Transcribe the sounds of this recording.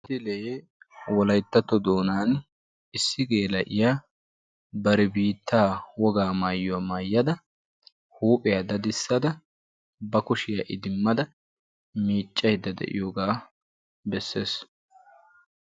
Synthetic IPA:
tt̪ɪle | wɔlɐjt̪ːɐt̪ːɔd̪oːnaːn | ʔɪsːɪɡe̞ːlɐ̰ʔɪjaː | bɐɾɛbiːt̪ːaːwɔɡaːmaːjːʊwaːmaːjːɐd̪ɐ | huːpʼːɪjad̪ɐd̪ɪsːɐd̪ɐ | bɐkʊʃɪjaʔɪd̪ɪmːɐd̪ɐ | miːt͡ʃʼːɐjd̪ɐd̪ɛ̰ʔɪ̰joːɡaː | bɛsːe̞ːs

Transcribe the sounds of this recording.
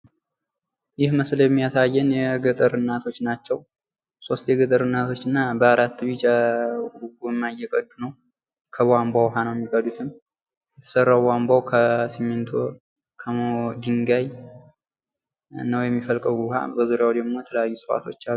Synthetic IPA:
jɪhməsljɛmːijasajːɛnjɛɡɨt̪ʼəɾɨnːat̪ʰo̞t͡ʃːnat͡ʃːɛw | so̞st̪ʰeɡɨt̪ʼɨɾɨnːat̪ʰo̞t͡ʃːɨnːabəaɾat̪ːɨβit͡ʃʼ | ɡumːajɛkʼəd̪ːunəw | kʰəβambawɦanəwjɛmːikʼəd̪ut̪ʰɨm | jjɛt̪ʰə̥sərːawwambawkʰəsimːɨnt̪ʰo | kʰəod̪iŋɡaj | nəwjɛmːifəlkʼəɡuwha̰bəzuɾjawd̪əɡmo̞jɛt̪ʰələjajːusʼəfa̰t̪ʰo̞t͡ʃːalːu

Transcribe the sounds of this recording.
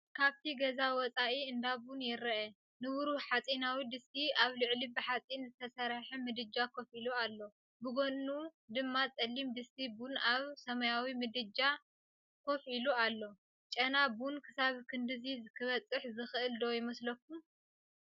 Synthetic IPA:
kʰaβt̪ʰiɡɐzawɔt͡sʼaʔiɨnd̪abunjɪɾɐʔɛ | nɨwuɾuħat͡sʼinawid̪ɨst̪iaβlɨʕlibɨħat͡sʼinzɨt̪ʰɐsɐɾaħɛmɨd̪ɨd͡ʒakʰofilualːo̞ | bɨɡonːud̪ɨmːat͡sʼɐlːimd̪ɨst̪ʰibunaβsɐmɐjawimɨd̪ɨd͡ʒa | kʰo̞filualːo̞ | t͡ʃʼɐnabunkʰɨsaβkʰɨnd̪ɨzizɨkʰɨβɐt͡sʼɨħzɨxɨʔɨld̪o̞jɪmɐslɐk̚ːum

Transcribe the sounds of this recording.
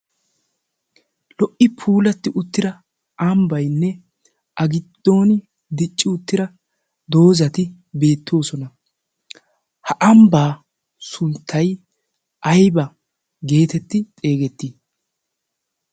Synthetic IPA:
lɔʔɪpʰuːlɐt̪ːɪʔʊt̪ːɪɾɐ | ʔɐmbɐjnːɛ | ʔɐɡɪd̪̥ːo̞ːnɪ | d̪ɪt͡ʃʼːɪʊt̪ːɪɾɐ | d̪o̞ːzɐt̪ɪ | be̞ːt̪ːo̞ːsɔnɐ | hɐʔɐmbaː | sʊnt̪ʰːɐj | ʔɐjbɐ | ɡe̞ːt̪ɛt̪ːɪt̪ʼe̞ːɡɛt̪ːiː

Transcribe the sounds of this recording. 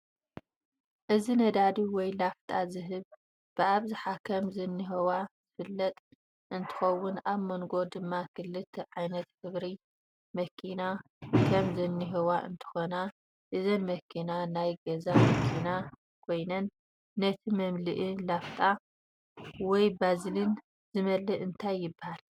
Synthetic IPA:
ʔɨzinɐd̪ad̪iwɔjlaft̪ʼazɨɦɨβ | b̥ɨʔaβzɨħakʰɐmzɨnːɨɦiwaz̥ɨfɨlːɐt̪ʼ | ʔɨnt̪ʰɨ̥xɐwːʊnaβmɐŋɡo̞d̪ɨmːakʰɨlːɨt̪ʰʕajnɐt̪kɨβɾi | mɐkʰina | kʰɐmzɨnːɨɦɐwaʔɨ̰nt̪ʰɨ̥xo̞na | ʔɨzɐmːɐkʰːinanajɡɐzamɐkʰina | kʰo̞jnɐnː | ɐt̪ʰimɐmlɨʔilaft̪ʼa | wɔjbazlin | zɨmɐlːɨʔɨnt̪ʰajːɪbːahal

